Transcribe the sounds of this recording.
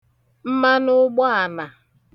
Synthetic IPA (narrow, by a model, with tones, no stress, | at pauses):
m̩˦ma˦nʊ˦ɡ͡bɔ˦a˨na˨